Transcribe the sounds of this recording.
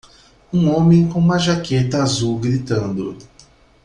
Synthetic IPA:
ũõmẽj̃kõũmɐʒaket̪ɐːzuwɡɾit̪ɐ̃nd̪ʊ̰

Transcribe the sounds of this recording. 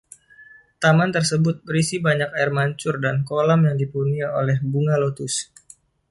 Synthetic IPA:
t̪amant̪ərsəbʊt̪̚bəɾisibaɲakaɛrmaɲt͡ʃʊrdankolamjaŋdipuniaolɛhbuŋalot̪ʊs

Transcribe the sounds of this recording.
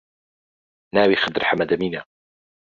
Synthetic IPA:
naːwiːxad̪ɾħamad̪amiːna

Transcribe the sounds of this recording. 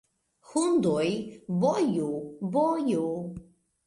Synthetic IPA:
hund̪ɔjbɔjubɔju

